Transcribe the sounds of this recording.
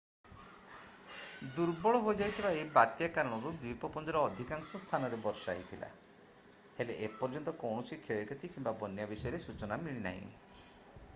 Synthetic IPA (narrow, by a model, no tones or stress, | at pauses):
d̪uɾbɔɭɔɦojd͡ʒajt̪ʰibaebat̪jakaɾɔɽ̃ɔɾubipɔpɔnd̪ɔɾɔːd̪ʱikaŋsɔst̪ʰanɔɾebɔɾsa̰ɦit̪ʰila̰ | heleʔepɔɾd͡ʒɔnt̪ɔkɔwɳɔsikʰeekɔt̪ʰikimbabɔnjabisɔjɔɾesut͡ʃɔnamiɭina̰ɦḭ̃